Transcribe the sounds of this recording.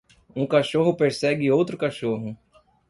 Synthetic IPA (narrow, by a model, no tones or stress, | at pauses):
ũkaʃoɦʊpeɾsɛɡɪowt̪ɾʊkaʃoɦʊ